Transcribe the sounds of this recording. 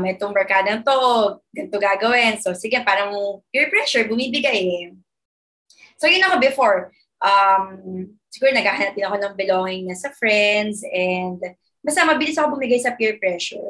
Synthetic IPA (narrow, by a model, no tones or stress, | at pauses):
mɛɛt̪oŋmɐɹkaːd̪ɐɐŋt̪oʔoɡ̚ɡɐnt̪oɡaɡɐwɛnsosɪɡɛpaːɾɐŋpjɪɹpɹɛʃɛɹbʊmiːbɪɡaj | sojɐjʊnɐko̞bɛfoɹ | ʔɐm | sɪɡuːɾonɐɡ̚aːhɐnɐp̚d̪ɪnɐko̞nɐŋbɛloːŋɪŋnɐsɐfɹɛnd̪sʔɛnd̪ | bɐst̪ɐmɐbɪlɪsɐkobʊmiɡajsɐpjɪɹpɹɛʃɛɹ